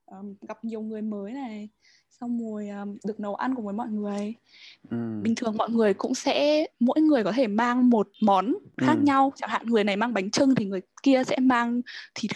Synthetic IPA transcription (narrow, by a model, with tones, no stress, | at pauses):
ʔəː˨˩mɣa˨˩p̚ɲi˨˩əwŋɨ˨˩əjməː˨˦jna˨˩j | sa˧wmu˨˩əjʔəː˨˩mɗɨ˨˩ək̚nə˨˦wʔa˧nku˧˩vəː˨˦jmɔ̰˧˨jŋɨ˨˩əj | ɓï˨˩ŋ̟t̪ʰɨ˨˩əŋmɔ̰˧˨jŋɨ˨˩əjkʊ̰˧˥ŋ͡msɛ̰˧˥mo̰˧˥jŋɨ˨˩əjkɔ˨˦t̪ʰe˧˩maː˧ŋmo˨˩t̚mɔ˨˦nxaː˦˥k̚ɲa˧wt͡ɕa˧˩ŋ̚ha̰ː˧˨nŋɨ˨˩əjna˨˩jmaː˧ŋɓa˨˦jŋ̟t͡ɕɨ˧ŋt̪ʰi˨˩ŋɨ˨˩əjki˧əsɛ̰˧˥maː˧ŋt̪ʰi˨˩